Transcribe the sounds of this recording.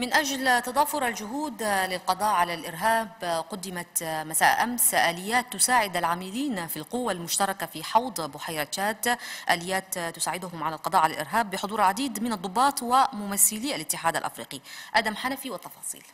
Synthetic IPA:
mɪnʔaʒlt̪ɑd̪ˤɑːfʊɾald͡ʒʊɦuːd̪lɪlqɑd̪ˤɑːʔʕalalʔɪɾɦaːbqʊd̪ːɪmat̪masaːʔʔamsʔaːlɪjːaːt̪ːʊsaːʕɪd̪alʕaːmiliːnfilqʊwːalmʊʃt̪ɑɾˤɑkafiħɑwd̪ˤbʊħajɾˤɑt̪aːt̪ʔaːlɪjːaːt̪ːʊsaːʕɪd̪ʊɦʊmʕalalqɑd̪ˤɑːʔʕalalʔɪ̰ɾɦaːbːɪħʊd̪uːɾʕad̪iːd̪mɪnɑd̪ˤːʊbːɑːt̪ˤwɪmʊmaθːɪliːʔalʔɪt̪ːɪħaːd̪a̰lʔa̰fɾiːqiʔaːd̪amħanafiwɪt̪ːɑfɑːsˤḭːl

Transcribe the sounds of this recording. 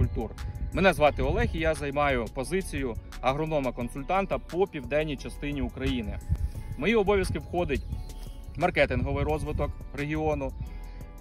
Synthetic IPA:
ʊlʲt̪urmenɛzʋɑt̪ɪɔlˠɛxʲijɑzɐjmɑjʊpɔzɪt͡sʲijʊɐɦɾɔnɔmɐkɔnsʊlʲt̪ɑnt̪ɐpɔpʲiwd̪ɛnʲːijt͡ʃɐst̪ɪnʲiʊkɾɐjinɪmɔjiɔbɔʋʲjɐskɪwxɔd̪ɪt̚ʲ | mɐrkɛt̪ɪnɦɔʋɪjɾɔzʋɪt̪ɔk | reɦʲiɔnʊ

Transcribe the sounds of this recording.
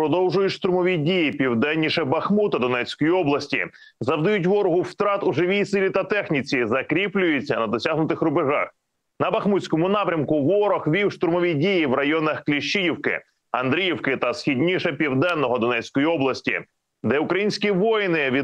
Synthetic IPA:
pɾɔd̪ɔwʒʊjʊtʲʃt̪ɾʊmɔʋʲidʲijipʲiwd̪ɛnʲːiʃɛbɐxmut̪ɐd̪ɔnɛt͡sʲkɔjiɔblˠɐsʲtʲḭ | zɐwd̪ɐjʊtʲʋɔɾɔɦʊwt̪ɾɑt̪ʊʒɪʋʲijsɪlʲit̪ɐt̪ɛxnʲit͡sʲizɐkɾʲiplʲʊjʊt͡sʲːɐnɐd̪ɔsʲaɦnʊt̪ɪxɾʊbɪʒɑ̰x | nɐbɐxmut͡ssʲkɔmʊnɑpɾʲɐmkʊʋɔɾɔxʋʲiwʃt̪ɾʊmɔʋʲidʲijiʋrɐjɔnɐxklʲiʃt͡ʃijiwkɪ̰ | ɐnd̪ɾʲijiwkɪt̪ɐsxʲidʲnʲiʃɛpʲiwd̪ɛnːɔɦɔd̪ɔnɛt͡sʲkɔjiɔblˠɐsʲtʲḭ | d̪ɛʊkɾɐjinʲsʲkʲiʋɔjnɪʋʲi

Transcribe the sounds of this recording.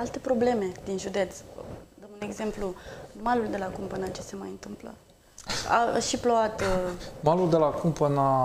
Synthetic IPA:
alt̪e̞pɾo̞ble̞me̞d̪inʒud̪e̞t̪sd̪əmune̞ɡze̞mplumaluld̪e̞lakumpənat͡ʃe̞se̞majɨnt̪ɨmplə̰ | a̰ʃiploat̪maluld̪elakumpəna

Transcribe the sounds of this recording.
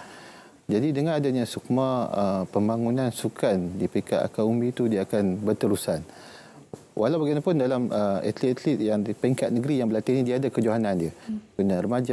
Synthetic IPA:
d͡ʒadidəŋãnadaɲãsuk̚mãəpəmbaŋunãnsukʰandipika̰ʔ̪a̰kaumbit̪udiaːkanbət̪əɾusan | wʔa̰lawbaɡianapʊndalaməɛ̰t̪lit̪̚ɛt̪lit̪̚jaŋdipiŋkat̪̚nəɡəɾijaŋbəlat̪ihnidiaːdakəd͡ʒoɦanãndiəkuɲarəmad͡ʒa

